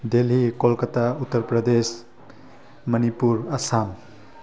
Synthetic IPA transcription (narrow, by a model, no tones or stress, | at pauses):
d̪elɦikolkət̪ʰaut̪ːəɾpɾʌd̪es | mʌnipuɾasam